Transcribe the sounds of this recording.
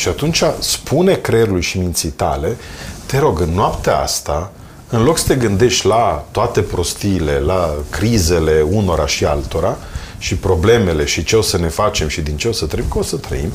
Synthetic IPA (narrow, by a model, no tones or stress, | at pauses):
ʃiat̪unt͡ʃaspʰune̞kɾeɾuulʃimint̪sijt̪a̰le̞t̪e̞ɾo̞ɡɨnːoapt̪eaa̰st̪a | ɨnlo̞ksə̥t̪e̞ɡɨnd̪e̞ʃt̪ʲlat̪oat̪e̞pɾo̞st̪iːle̞lakɾize̞le̞uno̞ɾaʃialt̪o̞ɾa | ʃipɾo̞ble̞me̞le̞ʃit͡ʃe̞o̞səne̞fat͡ʃe̞mʃid̪int͡ʃeo̞sət̪ɾebʲkosət̪ɾə̰ḭm